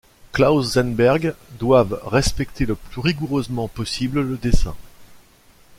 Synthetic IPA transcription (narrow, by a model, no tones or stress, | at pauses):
klazːɛnbɛʁɡd̪wavʁɛspɛkt̪ʰeləplyʁiɡuʁøzmɑ̃pɔsiblləd̪esɛ̰̃